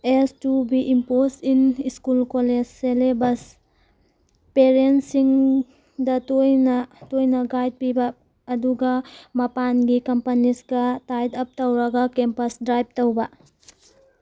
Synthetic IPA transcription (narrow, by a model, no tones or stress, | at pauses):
estubiʔimposiniskulkoled͡ʒselebɐs | peɾensiŋ | dɐtojnatojnɐɡajd̚pibaː | duɡamɐpanɡikɐmpɐnisɡatajdɐp̚tɐwɾɐɡakempɐsdɾajb̚towba